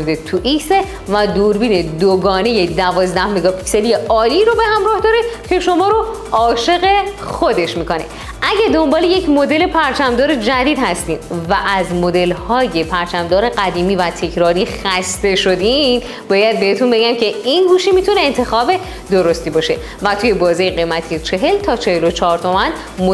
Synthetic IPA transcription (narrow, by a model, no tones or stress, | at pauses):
d̪et̪ʰuʔikse | væd̪uːɾbiːne̞d̪oɡɒːne̞jed̪ævɒːzd̪æhmeɡɒːpʰi̥cse̞lije̞ɒːliːɾobe̞hæmɾɒːhd̪ɒːɾecʰe̞ʃo̞mɒːɾo | ɒːʃe̞ɣe̞xod̪e̞ʃmiːko̞nḛ | ʔæɟæd̪o̞mbɒːleje̞cʰmo̞d̪e̞le̞pʰæɾt͡ʃʰæmd̪ɒːɾed͡ʒæd̪iːd̪hæst̪ḭːmvæʔæzmo̞d̪e̞lhɒːje̞pʰæɾt͡ʃʰæmd̪ɒːɾeɡæd̪iːmiːvæt̪ʰe̞cʰɾɒːɾixæst̪e̞ʃo̞d̪i | bɒːjæd̪̚be̞het̪ʰunbe̞ɟæmcʰe̞inɡuːʃimit̪ʰuneːnt̪ʰe̞xɒːbe̞ | d̪o̞ɾo̞st̪iːbɒːʃe̞ | væt̪ʰuːje̞bɒːziːjeɣe̞jmæt̪ʰijet͡ʃʰe̞ɦe̞lt̪ʰɒːt͡ʃʰe̞helo̞t͡ʃʰɒːɾt̪ʰo̞mæn | m